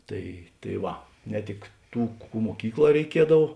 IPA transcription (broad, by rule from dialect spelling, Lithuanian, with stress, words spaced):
ˈtɐɪ tɐɪ ˈʋɐ nʲɛ ˈtʲɪk ˈtuː ˈkuː muɔˈkʲiːkˌlˠɑː rʲɛɪˈkʲiɛdɐw